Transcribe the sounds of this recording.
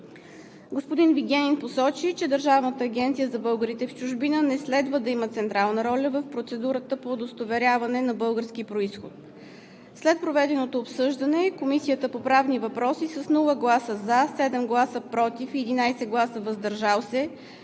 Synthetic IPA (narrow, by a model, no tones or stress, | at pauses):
ɡospod̪inviɡʲɛninposɔt͡ʃit͡ʃɛd̪əɾʒavnət̪əːɡʲɛnt̪sijəzɐbɤlˠɡəɾit̪ɛft͡ʃʊʒbinənɛslɛd̪vəd̪ɐimət̪sɛnt̪ɾalˠnəɾɔlʲəvəfpɾot̪sɛd̪uɾət̪əpoːd̪ost̪ovɛɾʲjavɐnɛnɐbɤlˠɡəɾskipɾoisxo̰t̪ | slɛt̪̚pɾovɛd̪ɛnot̪oːpsɤʒd̪ənɛkomisijət̪əpopɾavnivɐpɾɔsisəsnulˠəɡlˠasəzasɛd̪ɛmɡlˠasəpɾɔt̪ifɛd̪inajsɛɡlˠasəvɐzd̪ɐɾʒalˠsɛ